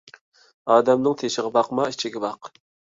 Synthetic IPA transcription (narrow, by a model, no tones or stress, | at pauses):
ɑːd̪ɛmnɨŋt̪ʰeʃɪʁɑbɑqmɑit͡ʃʰiɡʲɛbɑq